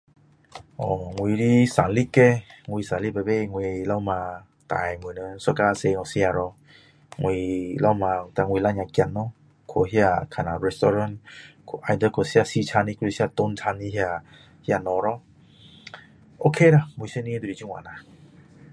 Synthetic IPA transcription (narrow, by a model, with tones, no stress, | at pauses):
ʔɔ˨ŋwi˧ɾi˦sa˨nli˦ke˧ŋwi˧sã˨nli˦ba˨be˦˧ŋwi˧la˦mã˧ | t̪a̰˨jmɨ˨nə˧˦sa˧ka˧se˧ŋɔ̃˧˨si˧˦a˧ɾɔ˧ | ŋwi˧la˦mã˧˨t̪a˧˨ŋwi˧˨la˧˦ɲã˧kja˧t̚nɔ˧˦ | kʰo˧˨ɦi˦a˧kʰa˧˨nã˨ɹɛ˧st̪ɔ˧ɾã˧˦nkʰo˧˨ʔa˧jd̪ə˧kʰo˨si˧˦a˧˨si˧t͡ɕʰa˧ni˧kʰu˧i˧si˦a˧˨t̪o˧˦ntʰa˧nːi˧hja˧˨ | hja˧˨nɔ̃˧˨ɾɔ˦ | ʔo˧kʰe˦˨ɾa˧ŋwi˧se˦nĩ˧˦d̪u˧˨i˨d͡ʒu˦˧ŋwã̰˨nã˨